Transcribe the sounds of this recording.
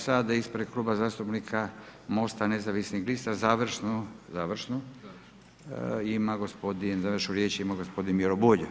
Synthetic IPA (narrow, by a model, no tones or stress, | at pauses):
sad̪aispɾed̪̚kluːbazaːst̪upnikʰamo̞st̪anezaʋisnixlist̪azaːʋr̩ʃnozaːʋr̩ʃno | imaɡospod̪inzaʋrʃuɾjeːt͡ʃimaɡospo̞d̪inmjeɾobuʎu